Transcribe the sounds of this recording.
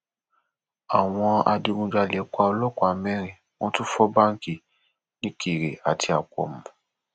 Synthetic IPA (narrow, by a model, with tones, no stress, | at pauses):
a˨w̃ɔ̃˧a˧di˧ɾũ˧d͡ʒa˧˨lɛ˨˦kʷa˧ɔ˧lɔ˦kɔ˦a˨mɛ̃˦ɾ̃ĩ˨ | w̃ɔ̃˦tu˦fɔ˦ba˦ŋ̩˦ki˦˨ | nĩ˦ki˨ɾe˨a˨tʰi˧a˨kʷɔ̰˨m̩˨˦